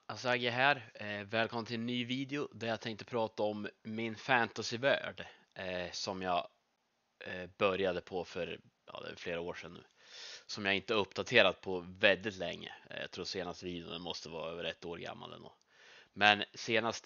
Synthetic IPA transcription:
ɑsaɡaɦæːɾvɛːlkʰɔmnt̪ɪɛnːyːviːd̪ɪʊd̪æɾjat̪ʰɛŋk̚t̪əpʰɾɑːt̪aɔmːɪnfænt̪asɪvæ̰ːɖ | sɔmjɑ | bœɾjad̪əpʰɔfœɾ | jɑ̰d̪ɛ̰fleːɾaoːʂɛnː | sɔmjaɪnt̪əɵpːd̪at̪ʰeːɾat̪̚pʰɔvɛld̪ɪt̪lɛŋːə̰jɑ̰t̪ʰɾuːɾseːnast̪əviːd̪ɪʊnəmɔst̪əvɑːɾaøːvəɾɛt̪ːoːɾɡa̰mːa̰lɛ̰nd̪o̰ː | mɛnseːnast̪

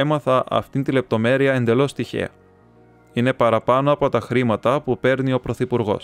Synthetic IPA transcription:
e̞mɐθɐʔɐ̰ft̪int̪ile̞p̚t̪o̞me̞ɾiɐe̞nd̪e̞lo̞st̪içe̞̰ɐ̰ | ine̞pɐɾɐpɐno̞ɐpo̞t̪ɐxɾimɐt̪ɐpupe̞ɾnio̞pɾo̞θipuɾɣo̞̰s

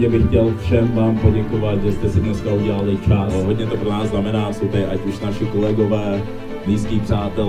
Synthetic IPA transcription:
ɛbɪxcɛlfʃɛmvaːmpo̞ɟɛkovat̪ʒɛst̪ɛsɪdɲɛskauɟɛlalɪt͡ʃaɦodɲɛt̪opɾonaːzznamɛnaːsɪt̪ɛɪʔacuʃnaʃɪkolɛɡovɛː | niːskiːpr̝̥aːt̪ɛl

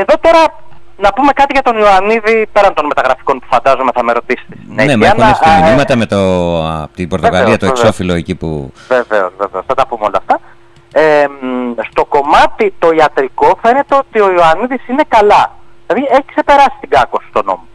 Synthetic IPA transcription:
e̞ðo̞t̪o̞ɾɐ | nɐpume̞kɐt̪iʝɐt̪o̞nioɐniðipe̞ɾɐnt̪o̞nme̞t̪ɐɣɾɐfi̥ko̞npu̥fɐnd̪ɐzome̞θɐme̞ɾo̞t̪isi̥t̪esinenemnoɐsiminimɐt̪ɐme̞t̪ot̪iboɾt̪oɣɐiɐt̪okso̞filoecipṵveve̞o̰zve̞veosθɐt̪ɐpumeo̞lɐft̪ɐ | emst̪o̞ko̞mɐt̪it̪o̞iɐt̪ɾiko̞fe̞ne̞t̪e̞o̞t̪io̞ioɐniðisine̞kɐlɐðilɐðieçi̥kse̞pe̞ɾɐsi̥st̪iɡɐko̞sst̪o̞no̞̰mo

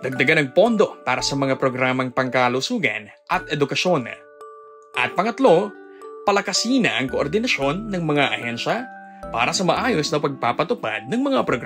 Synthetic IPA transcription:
d̪̥ɐɡ̚d̪ɐɡanɐŋpo̞nd̪o̞paːɾɐsɐmɐŋapɾoɡɾaːmɐŋpɐŋkɐlʊsuːɡɐ̰n | ʔɐt̪ɛd̪ʊkɐʃo̞n | ʔɐ̰t̪̚pɐŋɐt̪lo̞ | pɐlɐkɐsiːnɐʔɐŋkoʔoɾd̪ɪnɐʃo̞nːɐŋmɐŋaʔɐhɛnʃɐ | pa̰ːɾɐsɐmɐʔaːjosnɐpɐɡ̚paːpɐt̪ʊpa̰d̪̚nɐŋmɐŋapɾoɡɾ

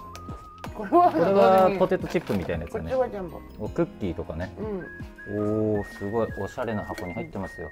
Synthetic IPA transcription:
koɾoɾe̞βapo̞t̪e̞t̪ːot͡ɕipːɯ̟mʲit̪ainajeɨkanead̪ẽmbo | okɯ̟kʲːiːt̪o̞kane̞ɯ̃ | oːsɨɡo̞io̞ɕaɾe̞nahako̞ɲ̟iɦait̪ːe̞masɨjo̞̰

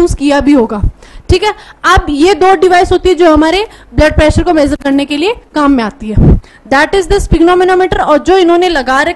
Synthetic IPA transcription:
uːskijabʱiɦoːɡaːʈʰiːkɦɛːɐbjed̪oːɖɪʋaːɪsɦoːt̪iɦɛd͡ʒoːɦɐmaːɾeblɐɖ̚pɾɛːʃəɾkomɛːzəɾkɐɾnekeliekaːmːẽaːt̪iɦɛː | d̪ɛʈɪzd̪ɪspɪɡnɔːmɪnɔːmɪʈəɾɔːɾd͡ʒoːɪnɦõːnelɐɡaːɾɐ

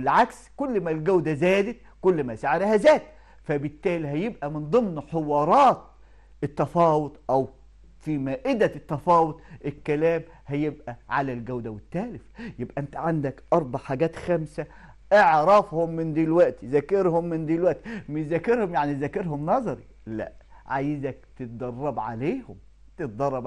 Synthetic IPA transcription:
wɪlʕakskʊlːmælɡæwd̪æzæːd̪ɪt̪̚ | kʊlːmæsaʕeɾehæzæːd̪ | fæbɪt̪ːæːliɦæjebʔæmɪnd̪ˤɨmnħewɑːɾˤɑːt̪̚ | et̪ːɑfɑːwot̪ˤʔæw | fimæːʔɪd̪æt̪ːæfɑːwot̪ˤʔekːælæːm | hæjebʔæʕa̰lælɡæwd̪æwɪt̪ːæːlɪfjebʔæʔnt̪æʕand̪ækʔɑɾˤbaʕħaːɡæːt̪xæmsæ | ʔeʕɾɑfhomːɪnd̪iːlwæʔt̪izækeɾhomːɪnd̪iːlwæʔt̪imɪʃzækːeɾhomjaʕnizækeɾhomnɑzˤɑɾḭ | læ̰ʔʕaːjɪzæk̚t̪ɪt̪̚d̪ˤɑrˤːɑbʕa̰leːhʊm | t̪et̪d̪ˤɑrˤːɑb

